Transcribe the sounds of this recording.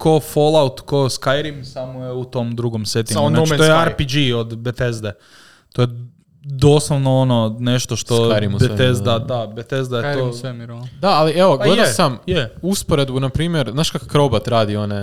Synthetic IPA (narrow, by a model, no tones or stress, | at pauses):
kofolˠaut̪koskajɾimsamojeut̪omd̪ɾuɡomset̪iɡaont̪ojeaɾpid͡ʒiod̪bet̪ezd̪e | t̪oje | d̪osloʋnoononeʃt̪oʃt̪oajɾimsbeezd̪ad̪abet̪ezd̪ajetosemiɾod̪aalieʋoɡled̪asamjeuspoɾe̞d̪bunapɾiːmjeɾznaːʃkakakɾobat̪ɾaːd̪io̞ne